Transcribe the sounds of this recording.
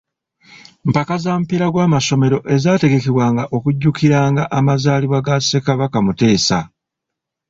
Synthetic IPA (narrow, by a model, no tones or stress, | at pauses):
m̩pakazaːmpiɾaɡwaːmaʃo̞me̞ɾo̞ʔe̞zaːte̞ɡe̞keβwaːŋɡaʔo̞kuɟːukiɾaːŋɡaʔamazaːliβwaɡase̞kaβakamute̞ːsa